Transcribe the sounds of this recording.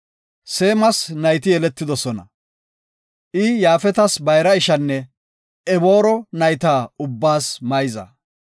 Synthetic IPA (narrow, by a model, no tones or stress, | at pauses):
se̞ːmɐsnɐjt̪ɪjɛlɛt̪ːɪd̪ɔsɔnɐ̰ | ʔɪjaːfɛt̪ɐsbɐjɾɐɪʃɐnːɛ | ʔɛbo̞ːɾɔnɐjt̪aːʊbːaːsmɐjzɐ̰